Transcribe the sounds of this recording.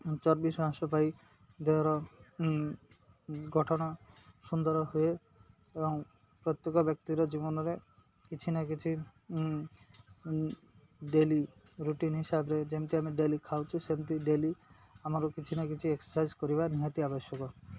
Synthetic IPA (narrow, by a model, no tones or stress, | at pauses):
t͡ʃɔɾbisãsɔpaj | d̪eɔɾɔ | ɡʱɔʈʰɔɽ̃ɔsund̪ɔɾɔɦue | ebɔŋ | pɾɔt̪jekɔbjɔk̚t̪iɾɔd͡ʒibɔnɔɾe | kit͡ʃʰinak̬it͡ʃʰi | ɖeli | ɾuʈinɦisabɾed͡ʒemt̪iamiɖelikʰawt͡ʃʰusemt̪iɖeli | amaɾokit͡ʃʰinak̬it͡ʃʰieksɔ̥sajd͡ʒkɔɾiβaniɦat̪iabɔʃjɔkɔ